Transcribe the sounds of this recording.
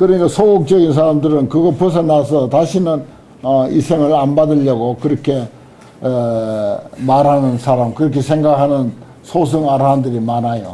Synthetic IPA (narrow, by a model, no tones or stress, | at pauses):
kɯɾʌiɡasʰoɡok̚t͡ɕ͈ʌɡinsʰaɾamdɯɾɯnkɯɡʌpɯs̬ʰʌnasʰʌtaɕʰinɯn | ʌisʰe̞ŋɯɾanbadɯʎːʌɡokɯɾʌkʰe̞ | maɾɦanɯnsʰaɾamkɯɾʌkʰesʰe̞ŋɡakʰanɯn | sʰos̬ʰɯŋaɾandɯɾimanajo